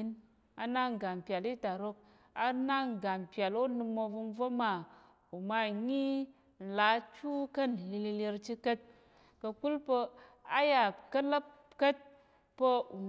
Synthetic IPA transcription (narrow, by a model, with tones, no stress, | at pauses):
i˦n | a˧na˦ŋ˨ɡa˨m˨pʲja˨li˦ta˨ɾo˧k̚ | a˧na˦ŋ˨ɡa˨mpja˨lo˦nɨ˧mo˧vu˧n˦vo˦ma˨ | u˨ma˧ɲi˦ | n̩˨la˨˦t͡ʃu˦kə˦n˨li˧li˧li˧ɾt͡ʃi˦kə˦t̚ | kə˧ku˦lpə˧ | a˦ja˨kə˦lə˦p̚ | kə˦t̚ | pə˦u˨